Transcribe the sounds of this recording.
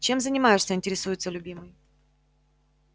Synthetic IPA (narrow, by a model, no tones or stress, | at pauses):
t͡ɕe̞mzənʲɪmajɪʂsʲəɪnʲtʲɪɾʲɪsujɪt̪səlʲʊbʲimɨj